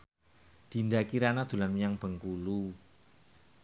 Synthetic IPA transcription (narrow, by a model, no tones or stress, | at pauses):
d̪̥i̤ndakiɾanad̪̥ṳlanjaŋb̥ə̤ŋkulu